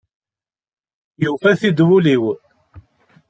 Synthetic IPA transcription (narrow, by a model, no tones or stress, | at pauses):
jufæθid̪wuliw